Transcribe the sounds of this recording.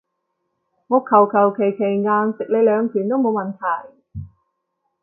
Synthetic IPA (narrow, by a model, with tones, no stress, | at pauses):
ŋɔː˨˧˥kʰɐ˨˩wkʰɐ˨˩wkʰe˨˩jkʰe˨˩jŋaː˧nsɪ˨k̚le˨˧jlœː˨˧ŋkʰyː˨˩nt̪o˥wmo˨˧wmɐ˨nt̪ʰɐ˨˩j